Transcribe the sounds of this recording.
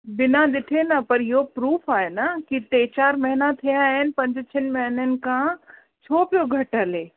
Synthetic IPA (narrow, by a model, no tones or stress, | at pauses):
bɪnaɗɪʈʰenɐpɐɾɪɦopɾuːfaːɦenakit̪eːt͡ɕaːɾmɐɦɪnat̪ʰijãːɦɪnɪ̆pɐ̃ɲd͡ʑt͡ɕʰɪnɪ̆mɐɦɪnənɪ̆kʰã | t͡ɕʰoːpijoɡʱɐʈəleː